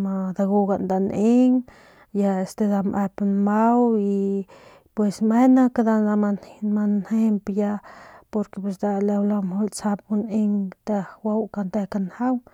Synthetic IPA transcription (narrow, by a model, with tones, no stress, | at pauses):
ma˧d̪a˧ɡu˧ɡa˨nd̪a˧˨nʔe˦ŋ | ja˧e˨st̪e˧d̪a˧mʔe˧pnma˦wi˧ | pwe˧sme˦na˦kad̪a˧a˧mama˧nhe˧mpja˧po˧ɾkepe˧s̬d̪a˧le˧wla˧mho˧lt͡sa˧p̚hu˧ne˧ŋt̪a˧wa˦wka˧nt̪e˧ka˧nha˦w